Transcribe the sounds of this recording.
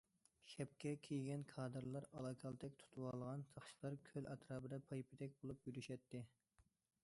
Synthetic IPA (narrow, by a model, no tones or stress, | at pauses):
ʃʲɛp̚kʲɛkʲʰejɡʲɛnkʰɑːd̪ɨɾlˠɑɾɑlˠɑkʰɑlˠt̪ʰɛkʲt̪ʰu̥t̪ʰuwɑlˠəʁɑnsʰɑχʃi̥lˠɑɾkʲʰølʔɑt̪ʰɾɑːbɨd̪ɛpʰɑjpʰɪd̪ɛk̚ʲbolˠupjyɾyʃɛt̪ʰːɪ